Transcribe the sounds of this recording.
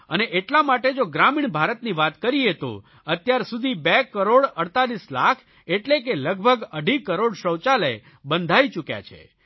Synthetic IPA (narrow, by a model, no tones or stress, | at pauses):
əneʔeʈlamaʈed͡ʒoɡɾamiɳbʱaɾət̪niʋat̪kəɾiet̪o̰ | ət̪jaɾsud̪ʱibekəɾoɽəɽt̪alisla̰kʰ | eʈlek̬eləɡ̚bʱəɡəɖʱikəɾoɽʃəwt͡ʃaləj | bənd̪ʱait͡ʃukja̰t͡ʃʰḛ